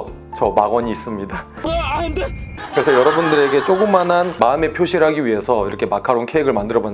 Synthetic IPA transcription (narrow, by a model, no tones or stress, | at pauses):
t͡ɕʌmaɡʌɲiːs͈ɯmɲida | kɯɾe̞sʰʌjʌɾʌbundɯɾe̞ɡe̞t͡ɕ͈oɡɯmːanɦanmaɯme̞pʰjoɕʰiɾɦaɡiɥiɦe̞sʰʌiɾʌkʰe̞makʰaɾonkʰeeɡɯɭmandɯɾʌbon